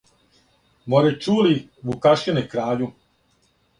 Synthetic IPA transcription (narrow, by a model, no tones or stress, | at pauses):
moɾet͡ʃuːli | ʋukaʃinekɾaːʎu